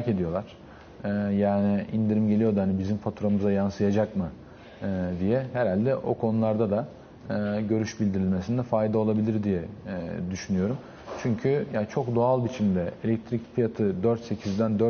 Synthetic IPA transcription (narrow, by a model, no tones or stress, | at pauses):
ɾace̞d̪ijo̞lˠaɾ̥ | jaːniḭnd̪iɾimɟe̞lʲijo̞d̪uanibizimfat̪ʰuɾamɯzajansɯjad͡ʒakmɯ | d̪ijɛhɛɾalʲd̪ɛʔo̞̰kʰo̞nulˠaɾd̪ad̪a | ɟø̞ɾyʃbilʲd̪iɾilʲme̞sind̪ɛfajd̪ao̞lˠabilʲiɾd̪ijɛd̪yʃynyjo̞ɾum | t͡ʃʰyɲcʰyjat͡ʃʰo̞kd̪o̞alˠbit͡ʃʰimd̪ɛelʲɛc̚t̪ʰɾicpilat̪ʰɯd̪øɾt̪se̞cʰizd̪ænd̪øɾ